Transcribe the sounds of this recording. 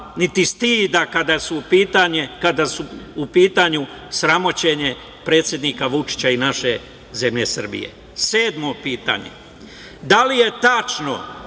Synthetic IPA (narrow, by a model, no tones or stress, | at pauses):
nit̪ist̪iːd̪akad̪asupiːt̪aekad̪asuupiːt̪aɲu | sɾamo̞t͡ɕe̞ɲe̞ | pɾe̞ːt̪sje̞d̪nikaʋut͡ʃi̥t͡ɕainaʃe̞ | ze̞mʎe̞sr̩bḭje̞̰ | se̞ːd̪mo̞piːt̪a̰ɲḛ | d̪alije̞t̪at͡ʃno̰